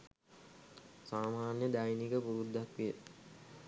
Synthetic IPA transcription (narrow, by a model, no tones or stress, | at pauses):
saːmaːnjəd̪ajnikəpuɾud̪ːakʋijə